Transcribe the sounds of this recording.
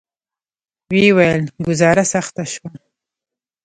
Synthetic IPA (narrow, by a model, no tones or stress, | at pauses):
wewajəlɡʊzɑɾasaxt̪aʃwa